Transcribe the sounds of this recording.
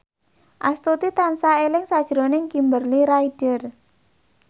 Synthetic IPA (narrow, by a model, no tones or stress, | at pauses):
ʔast̪ut̪it̪ansaelɪŋsad̥ʒ̥ɾonɪŋkimbərliɾaid̥ər